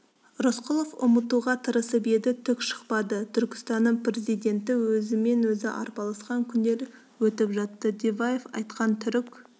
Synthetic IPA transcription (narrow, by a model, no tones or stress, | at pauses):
rosqʊlˠofʊ̰mət̪uʁɑt̪ʰəɾəsəpe̞d̪ɪt̪ʰʏkʃə̥qpɑd̪ət̪ʰʏɾkʲɪ̥st̪ɑnːəɴpre̞zijd̪ʲe̞nt̪ɪwɵzɪme̞nwɵzɪʔɑ̰ɾpɑlˠɑsqɑŋkʲʰʏnd̪e̞ɾ | wɵt̪ɪpʒɑt̪ːəd̪evajefɑ̰jt̪qɑnt̪ʰʏɾɪkʲ